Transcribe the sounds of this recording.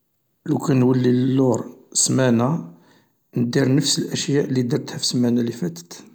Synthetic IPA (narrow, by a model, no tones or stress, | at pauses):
lukænwəlːiləlːʊɾˤsmænæ | nəd̪iɾnəfsəlʔəʃjæʔlid̪iɾt̪hæfsmænælifæt̪ə̥t̪